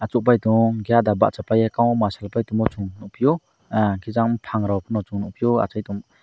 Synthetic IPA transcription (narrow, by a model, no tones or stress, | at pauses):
at͡ʃɔk̚p̬ajtɔŋɡijadaba̰ʔt͡ʃapajekaŋɔmasalpajtuŋmɔt͡ʃuŋnupʰijɔ | akʰizaŋpʰaŋɾawpʰɯnɔt͡ʃuŋnɔʔpʰijɔa̰t͡ʃajtuŋ